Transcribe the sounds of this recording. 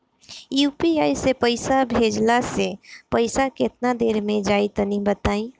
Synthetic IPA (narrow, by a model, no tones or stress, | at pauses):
juːpiaːisepəɪsabʱeːd͡ʒlasepəɪsakɪt̪nad̪eːɾmẽd͡ʒaːit̪onibət̪aːĩ